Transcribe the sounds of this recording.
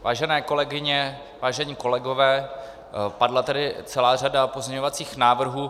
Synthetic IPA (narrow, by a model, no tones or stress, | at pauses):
vaːʒɛnɛːko̞lɛɡɪɲɛ | vaːʒɛɲiːko̞lɛɡo̞vɛː | padlat̪ɛdɪt͡sɛlaːr̝adapo̞zɲɛɲo̞vat͡siːxnaːvr̩ɦuː